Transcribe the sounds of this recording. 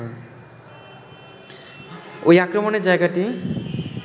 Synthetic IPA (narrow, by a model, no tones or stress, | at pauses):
ojakɾɔmɔned͡ʒajɡaʈi